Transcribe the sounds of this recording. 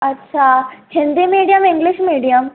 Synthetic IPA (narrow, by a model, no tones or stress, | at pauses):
ɐtːɕʰahɪnd̪imiɽijəmĩŋɡliɕmiɽijəm